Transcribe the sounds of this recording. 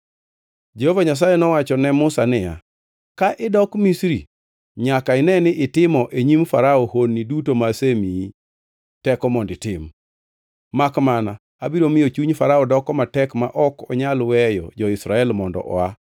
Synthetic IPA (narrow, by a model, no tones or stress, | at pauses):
d͡ʒehovaɲas̬ajɛnɔwat͡ʃɔnɛmʊsanɪja̰ | kaʔɪdɔkmisɾi | ɲakaɪnɛnɪʔɪtɪmɔʔeɲimfaɾaɔhonːidutomasemii | tɛkɔmɔndɪtɪmː | akmana | abiɾomɪjot͡ʃuɲfaɾaɔdɔkɔmatɛkma̰ʔɔkɔɲalwɛjɔ̰d͡ʒɔɪsɾaɛlmɔndɔ̰ʔɔ̰a